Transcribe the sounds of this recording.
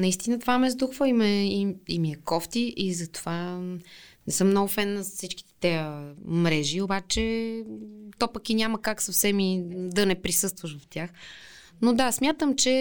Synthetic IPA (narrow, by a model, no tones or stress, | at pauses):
nɐist̪inət̪ovamɛzd̪uxvəimɛimiɛkɔft̪iʔizɐt̪o̥va | nɛsɤmnɔɡʊfɛnːɐzsit͡ʃki̥t̪ɛ̥t̪ɛəmɾɛʒiobat͡ʃɛ | t̪ɔpəkinʲaməkaksɐfsɛmid̪ɐnɛpɾisɤst̪vəʃvɐft̪ʲjax | nod̪asmʲjat̪əmt͡ʃɛ